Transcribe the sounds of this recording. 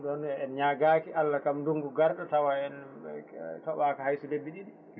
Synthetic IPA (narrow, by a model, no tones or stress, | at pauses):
ɗɔnɛɛnɲaɡaːkiʔalːakamduŋɡuɡaɾɗatawaɛn | tɔwakahajsudebːiɗiɗi